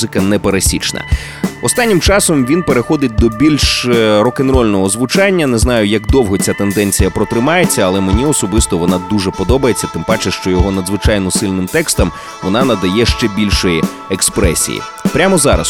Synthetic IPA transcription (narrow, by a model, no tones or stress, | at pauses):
zɪkɐnɛpeɾɐsʲit͡ʃnɐ̰ | ɔst̪anʲːimt͡ʃɑsɔmʋʲinpeɾexɔd̪ɪt̚ʲd̪ɔbʲilʲʃɾɔkenɾɔlʲnɔɦɔzʋʊt͡ʃanʲːɐnɛznɑjʊjɐkd̪ɔwɦɔt͡sʲat̪e̞nd̪ɛnʲt͡sʲijɐpɾɔt̪ɾɪmɑjet͡sʲːɐɐlˠɛmenʲiɔsɔbɪst̪ɔʋɔnɑd̪uʒɛpɔd̪ɔbɐjet͡sʲːɐt̪ɪmpɑt͡ʃɪʃt͡ʃɔjɔɦɔnɐd̪zʋɪt͡ʃɑjnɔsɪlʲnɪmt̪ɛkst̪ɐm | ʋɔnɑnɐd̪ɐjɛʃt͡ʃɛbʲilʲʃɔji | ekspɾɛsʲḭjḭ | pɾʲamɔzɑɾɐ̰s